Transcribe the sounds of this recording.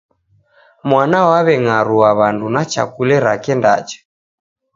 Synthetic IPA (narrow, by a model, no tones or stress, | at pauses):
mwanawaβɛŋaɾuaβandunat͡ʃa̰kulɛɾakɛnda̰t͡ʃɛ̥